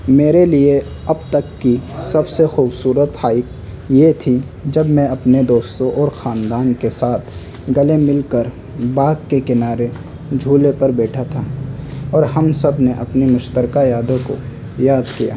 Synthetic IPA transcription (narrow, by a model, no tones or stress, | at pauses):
meːɾelie | ɐbt̪ɐkːisɐbsexuːbsuːɾət̪haːɪk | jet̪ʰi | d͡ʒɐbmɛ̃ɐpned̪oːst̪õʔɔːɾxaːnd̪aːnkesaːt̪ʰ | ɡɐlemɪlkəɾ | baːɡkekɪnaːɾe | d͡ʒʱuːlepɐɾbɛːʈʰat̪ʰaːɔːɾhɐmsɐbneʔɐpnimʊʃt̪əɾkajaːd̪õko̰ | jaːd̪kija̰ː